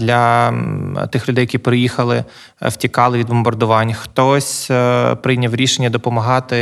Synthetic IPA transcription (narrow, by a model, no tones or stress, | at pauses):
d̪lʲɐ | t̪ɪxlʲʊd̪ɛjɐkʲipɾɪjixɐlˠɪ | wtʲikɑlˠɪʋʲid̪bɔmbɐrd̪ʊʋɑnʲxt̪ɔsʲpɾɪjnʲɐwɾʲiʃenʲːɐd̪ɔpɔmɐɦɑt̪ɪ